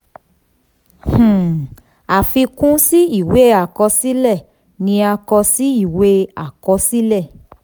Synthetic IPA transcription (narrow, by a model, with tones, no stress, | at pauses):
h̩˨ | a˨fi˧kũ˦si˦i˦˨we˨˦a˨kɔ˧si˦lɛ˦˨ | nĩ˧a˧kɔ˧si˦i˦˨we˦a˨kɔ˧si˦lɛ˦˨